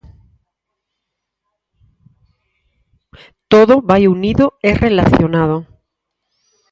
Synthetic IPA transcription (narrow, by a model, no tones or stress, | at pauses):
t̪oðoβajuniðoɛrʔelaθjonað̞o